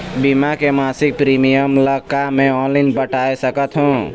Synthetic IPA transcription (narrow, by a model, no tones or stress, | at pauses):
bimakemasik̚pɾimijəmləkamẽɔnlaɪnpəʈajsəkət̪ɦũ